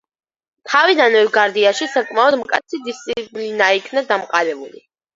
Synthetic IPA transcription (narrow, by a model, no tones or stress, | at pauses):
t̪ʰavid̪anɛvɡaɾd̪iaʃisakʼmaɔd̪mkʼat̪sʰid̪ist̪sʼipʼlinaikʰnad̪amqʼaɾɛbulḭ